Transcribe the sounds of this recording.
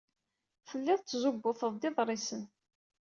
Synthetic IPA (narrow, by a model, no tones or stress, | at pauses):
fəlːɪðˤt͡sːzʊbːʊθəðˤd̪ɪðˤɾˤɪsən